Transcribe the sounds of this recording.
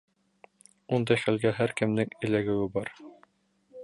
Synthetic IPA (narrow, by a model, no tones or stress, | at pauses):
und̪ɑjχælɡæɦæɾkɘ̆mnɘŋɘ̆læɡɘ̆wɘbɑɾ